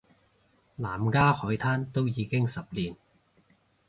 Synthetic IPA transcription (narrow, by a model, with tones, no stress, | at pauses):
laː˨˩mkaː˥hɔː˨˥jt̪ʰaː˥nt̪o˥wjiː˨˧kɪ˥ŋsɐ˨p̚liː˨˩n